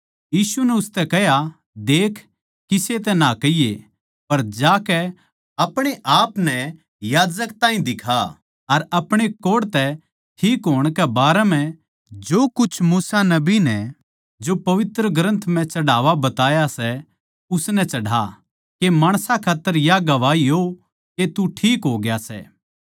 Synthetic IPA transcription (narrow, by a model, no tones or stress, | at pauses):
jiːsunɛʊst̪ɛkɛɦja | d̪eːkʰː | kːɪset̪ɛnakɐijḛ | pɐɾd͡ʒaːkɛ | ɐpɽ̃eʔaːpnɛ | jaːd͡ʒək̚t̪ãːĩd̪ɪkʰa | ɐɾɐpɽ̃ekoːɽt̪ɛ | ʈʰiːkɦoːɽ̃kɛbaːɾɛmɛ̃ | d͡ʒoːkʊt͡ʃʰmuːsanɐbinɛ | d͡ʒopɐʋɪt̪ɾəɡɾə̃nt̪ʰm̤ɛ̃t͡ʃɐɽaːʋabɐt̪aːjasɛ | ʊsnɛt͡ʃɐɽa̰ | kemaːɽ̃sakʰaːt̪ːəɾjaɡɐʋaːiɦo | ket̪uʈʰiːkɦoːɡjasɛ̰ː